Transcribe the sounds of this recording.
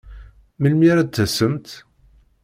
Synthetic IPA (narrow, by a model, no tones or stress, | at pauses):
məlmiɾæd̪θæsəmt̪